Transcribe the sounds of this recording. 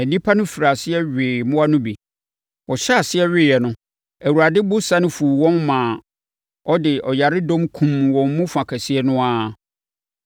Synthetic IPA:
æ˨nĩ˦pʰa˦nʊ̃˦fi˨ɾa˨sɪ˦ɛ˦ɥɪː˨mʊ̃˦a˦nʊ̃˦bi˨ | wɔ˨ɕɛ˦a˨sɪ˦ɛ˦ɥɪ˦jɛ˨nʊ̃˦ | æ˨wu˨ɾa˨dɪ˦bʊ˦sa˦nɪ̃˦fu˨wɔ̃˦nmãː˨ | ɔ˦dɪ˨ɔ˨ja˨ɾɪ˦dɔ̃˦mkʰũ˨mwɔ̃˨mmũ˦fã˨kʰɛ˨si˦ɛ˦nʊ̃˦a˦

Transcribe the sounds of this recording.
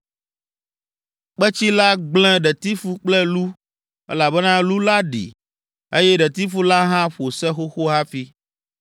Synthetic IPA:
k͡pɛ˦t͡ɕi˦la˦ɡ͡bl̃ɛ̃˦ɖɛ˨t̪i˦fu˦k͡plɛ˦lu˦ | ɛ̰˦la˨bɛ˦nã˦lu˦la˦ɖḭ˨ | e˦jɛ˦ɖɛ˨t̪i˦fu˦la˦ɦã˦ɸo˨sɛ˦xo˦xo˦ɦa˦fi˦

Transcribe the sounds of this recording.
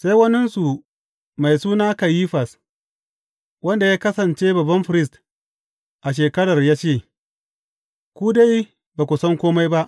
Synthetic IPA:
sa˦jwɐ˦nɪ˦nsu˨ | ma˨jsuː˦naː˦ka˨ji˦ɸa˨s | wɐ˦nda˨jaː˦kɐ˦sɐ˨nt͡ʃeː˦bɐ˨bɐ˦nɸɪ˨ɾɪ˦s̬t | ʔa˨ʃ̬eː˨kɐ˦ɽɐ˨rjaː˦t͡ʃeː˦˨ | kʷuː˦da˦j | baː˨kʷʊ˨sɐ˦ŋkʷoː˦ma˦jba˦ʔ

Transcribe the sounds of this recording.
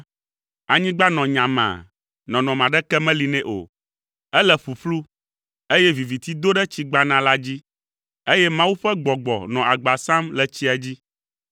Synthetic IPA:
a˨ɲĩ˦ɡ͡ba˦nɔ̃˨ɲã˨mã̰˨ | nɔ̃˨nɔ̃˨mã˨ɖɛ˦kɛ˦mɛ̃˦li˨nɛ̃˦ʔo̰˨ | ɛ˦lɛ˦ɸu˨ɸlu˦ | e˦jɛ˦vi˨vi˨t̪i˦d̪o˦ɖɛ˦t͡ɕi˦ɡ͡ba˦nã˦la˦d͡ʑi˦ | e˦jɛ˦mã˦wu˦ɸɛ˦ɡ͡bɔ˨ɡ͡bɔ̰˨nɔ̃˨ʔa˨ɡ͡ba˨sã˦mlɛ˨t͡ɕi˦a˨d͡ʑi˦

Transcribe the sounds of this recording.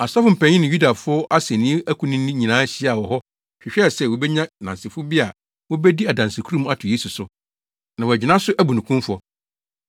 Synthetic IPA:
a˨sa˦fʊ˨m̩˨pʰɛ̃˨˦ɲɪ̃˦nɪ̃˨ju˦da˨fʊ˦ɔ˦ʔa˦sɛ˨nĩ˦e˦ʔæ˦kʰũ˨nɪ̃˦nĩ˦ɲĩ˨nãː˦ɕɪ˦a˨wɔ˨ɦɔ˦ | ɕᶣɪ˨ɕᶣsɛ˦˨wo˨bɛ˦ɲã˦nã˨nsɪ˨fʊ˦bi˦a˨ | wɔ˦bɛ˦di˦a˨dã˨nsɪ˨kʰu˦ɾũ˦˨m˦a˦tʰʊ˨je˦su˨sʊ˨ | nã˨wɔ˨æ˨d͡ʑɪ˨nã˦sʊ˦ʔæ˦bu˨nũ˨kũ˦m˦fʊ˦ɔ˦

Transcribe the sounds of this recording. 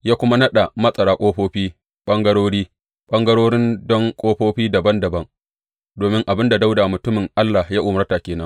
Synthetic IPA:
jaː˦kʷʊ˦ma˦nɐ˦ɗa˨mɐ˦sʼɐ˨ɽaː˨kʷʼoː˦ɸoː˦ɸiː˦ | ɓɐ˦ŋɡɐ˦ɽoː˦ɽiː˦ | ɓɐ˦ŋɡɐ˦ɽoː˦ɽɪ˦ndɔ˦ŋkʷʼoː˦ɸoː˦ɸiː˦dɐ˨bɐ˦ndɐ˨bɐ˦ŋ | doː˨mɪ˦ŋʔa˨bɪ˦nda˨da˦wdaː˨mʊ˨tʊ˦mɪ˨ŋʔa˦lːa˨hjaː˦ʔʊ˨mɐ˦taː˨kʲeː˨nɐ˦ŋ

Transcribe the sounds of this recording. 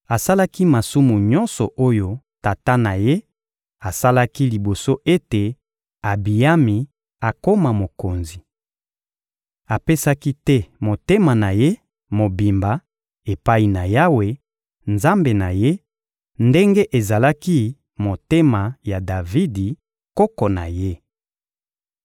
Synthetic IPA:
a˨sa˦la˦ki˦ma˨su˦mu˨ɲɔ˦nsɔ˨ʔo˦jo˦ | ta˨ta˦na˨je˦ | a˨sa˦la˦ki˦li˨bo˨so˦ʔe˦te˨ | a˨bi˨ja˦mi˨ | a˨ko˦ma˨mo˨ko˨nzi˨ | a˨pe˦sa˦ki˦tɛ˦mo˨te˦ma˨na˨je˦ | mo˨bi˨mba˨ | e˨pa˦i˨na˨ja˦we˨ | nza˦mbe˨na˨je˦ | nde˦ŋɡe˦ʔe˨za˨la˦ki˦ | mo˨te˦ma˨ja˨da˨vi˦di˨ | kɔ˦kɔ˨na̰˨je˦

